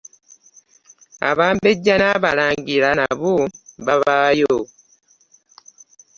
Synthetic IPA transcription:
a̰βaːmbeɟːanaβalaːŋɡilanaβuβaβaːjo

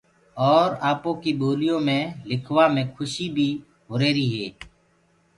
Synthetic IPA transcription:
ɔːɾaːpõːkiboːlijõmẽlɪkʰwamẽkʰʊʃibʱiː | ɦʊɾeːɾiɦɛː

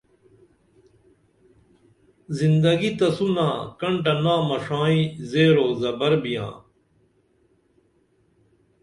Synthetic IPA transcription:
zind̪ɐɡit̪ɐsunaːkɐɳʈ̬ɐnãːmɐʂãːĩzeːɾoːzɐbɐɾbijã̰ː

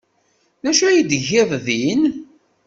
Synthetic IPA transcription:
ðæʃæjid̪ʝɪðˤðin

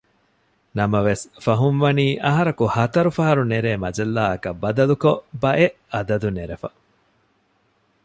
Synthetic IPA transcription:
nɐmɐʋesfɐɦunʋɐniːʔɐɦɐɾɐkuhɐt̪ɐɾufɐɦɐɾuneɾeːmɐd͡ʒɐlːaːɐkɐbɐd̪ɐlukobɐʔeʔɐd̪ɐd̪uneɾefɐ

